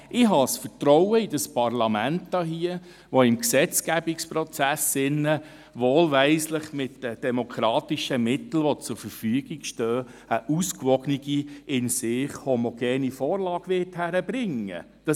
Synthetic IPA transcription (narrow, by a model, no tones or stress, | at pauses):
ɪɦɑsfətɾɔwəidɑspɑrlɑmæntdɑɦiə | ʋoɪmksɛt͡skæbikspɾɔt͡sæsɪnːə | ʋoːlʋæɪsləχmɪtd̥əd̥ɛmokʰɾɑːtiʃəmɪtl̩ʋɔt͡sʊɾfəɾfyəɡ̥iɡʃtœː | əʔuskʋɔɡ̥niɡiɪnsɪχhomoɡ̥ɛːnifɔːɾlɑːɡ̥ʋɪthæɾəbɾɪŋə̰ | d̥ɑ